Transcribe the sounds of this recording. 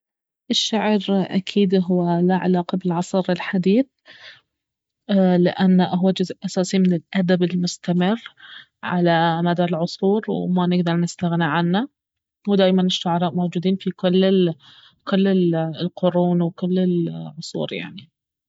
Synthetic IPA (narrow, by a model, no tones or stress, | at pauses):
ʔɪʃːaʕɾʔa̰kʰiːd̪ɦʊːalaʕa̰laːqɑbɪlʕɑsˤɨɾɪlħad̪iːθ | lɪ̰ʔanːaʔaɦwad͡ʒʊzʔasaːsimɪnɪlʔad̪abɪlmʊst̪amɪrː | ʕa̰lamad̪aɪlʕʊsˤuːɾwmanɪɡd̪ɑɾˤnɪst̪aɣniʕanːa | wd̪aːjmanɪʃːʊʕɑɾˤɑːʔmowd͡ʒuːd̪iːnfikʊlː | kʊlːɪlqʊɾuːnwkʊlːɪlʕʊsˤṵːɾja̰ʕni